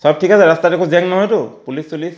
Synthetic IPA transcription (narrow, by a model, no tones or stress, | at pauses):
sɔb̚tʰikasɛɹastatekʰozɛŋnɔɦɔjtʊpulisolis